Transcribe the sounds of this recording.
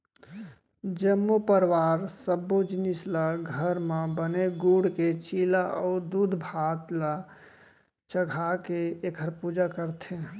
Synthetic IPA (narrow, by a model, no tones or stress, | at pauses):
d͡ʒəmːupəɾwaɾsəbod͡ʒinislaɡʱəɾmebəneɡuɽket͡ʃilaʔɔʊd̪ud̪ʱbʱat̪la | t͡ʃəɡʱakeːkʰəɾpud͡ʒakəɾt̪ʰe